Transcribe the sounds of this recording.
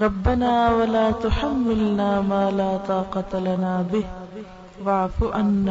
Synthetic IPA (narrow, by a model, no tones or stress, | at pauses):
ɾˤɑbːanaːwalaːt̪ʊħamːɪlnaːmaːlaːt̪ˤɑːqɑt̪lanaːbɪh | waʕfuʔanːa